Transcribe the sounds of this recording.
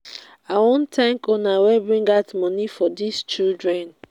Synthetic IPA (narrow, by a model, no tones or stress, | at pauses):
awɔ̃ntʰɛ̃ŋkɔnawɛbɹĩŋɡatmɔnifɔdist͡ʃildɹɛ̃n